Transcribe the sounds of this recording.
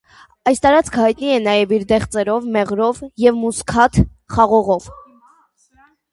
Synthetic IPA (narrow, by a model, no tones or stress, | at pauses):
ɑjst̪ɑɾɑt͡skʰəhɑjt̪niɛnɑjɛviɾd̪ɛχt͡sɛɾɔvmɛʁɾɔvjɛvmuskʰɑt̪ʰ | χɑʁɔʁɔv